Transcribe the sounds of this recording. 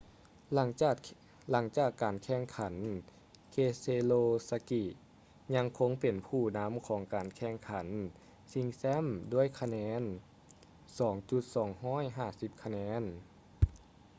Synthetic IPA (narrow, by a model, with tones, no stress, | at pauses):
la˧˩ | la˩˦ŋt͡ɕaː˨˩kːaː˨˩nkʰɛ˧˩ŋkʰa˩˦n | kʰeː˧seː˧loː˧sa˧ki˧˩ | ɲa˧˥ŋkʰo˧˥ŋpe˨˩npʰuː˧˩na˧˥mkʰɔː˩˦ŋkaː˨˩nkʰɛː˧˩ŋkʰa˩˦n | si˧ŋsɛ˧˥˨mdu˧˥˨əjkʰa˧nɛː˧˥n | sɔː˩˦ŋt͡ɕu˧˦t̪̚sɔː˩˦ŋhɔː˧˥˨jɦaː˧˩si˧˦p̚kʰa˧nɛː˧˥n